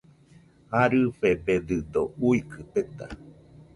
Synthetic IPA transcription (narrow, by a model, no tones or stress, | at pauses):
aɾɨɸebed̪ɨd̪ouikʰɨt̪et̪a̰